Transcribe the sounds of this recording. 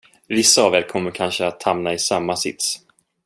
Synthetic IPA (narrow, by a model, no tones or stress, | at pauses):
vɪsːaːvɛːlkʰɔmːəɾkʰanʂəat̪hamnaɪsamːasɪ̰t̪s